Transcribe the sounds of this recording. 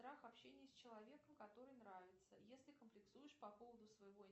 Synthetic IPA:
t̪ɾaxɐpɕenʲɪjəsʲt͡ɕɪlˠɐvʲe̞kəmkɐt̪o̞ɾɨjnɾavʲɪt̪səjesʲlʲɪkəmplʲɪksujɪʂpɐpo̞vəd̪ʊsvəjɪvo̞

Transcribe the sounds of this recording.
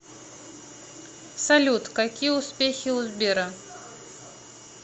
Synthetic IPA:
sɐlʲut̪kakʲijəʊspʲexʲiʊzbʲeɾɐ

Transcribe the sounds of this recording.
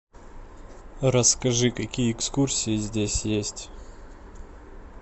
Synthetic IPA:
rəskɐʐɨkɐkʲijəɪkskursʲɪjɪzʲdʲesʲjesʲtʲ

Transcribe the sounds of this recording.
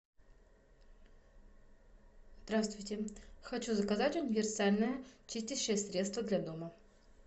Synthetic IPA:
zd̪ɾast̪vʊjtʲɪxɐt͡ɕuzəkɐzatʲʊnʲɪvʲɪrsalʲnəjət͡ɕisʲtʲɪɕːɪjəsɾʲet̪st̪vəd̪lʲad̪omə

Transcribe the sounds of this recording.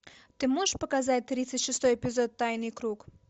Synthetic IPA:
t̪ɨmoʒəʃpəkazat̚ʲt̪ɾʲit̪sətʲʂɨst̪ojepʲɪzot̪ːɑjnɨjkɾuk

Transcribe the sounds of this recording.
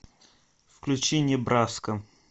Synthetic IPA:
fklʲʉt͡ɕenʲɪəbɾaskə

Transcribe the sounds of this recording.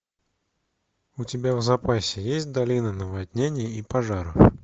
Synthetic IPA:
utʲɪbʲavzapasʲɪjesʲtʲd̪alʲinɐnɐvad̪ʲnʲenʲɪjiipaʐaɾɨ̰

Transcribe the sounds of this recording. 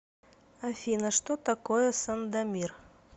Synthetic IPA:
ɐfʲinəʂt̪ot̪ɐkojəsɐnd̪ɐmʲir

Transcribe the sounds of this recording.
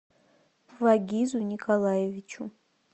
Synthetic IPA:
vaɡʲizunʲikʰalˠajevʲit͡ʃʰu

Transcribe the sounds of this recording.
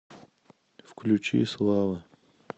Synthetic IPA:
fklʲut͡ʃḭslˠavɨ

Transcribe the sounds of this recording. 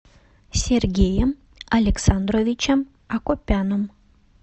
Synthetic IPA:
sʲerɡʲejəm | ɐlʲeksand̪rovʲit͡ɕəm | akopʲːanom

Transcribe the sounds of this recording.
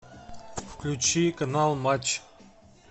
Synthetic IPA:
fklʲut͡ɕikanalˠmat͡ɕ

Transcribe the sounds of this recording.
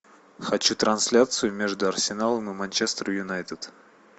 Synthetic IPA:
xɐt͡ɕut̪ɾʔɐnsʲlʲat̪sɨjʊmʲe̞ʐd̪ʊɐrsʲɪnalˠəmɨmɐnʲt͡ɕest̪ɾəjʊnajt̪ət̪

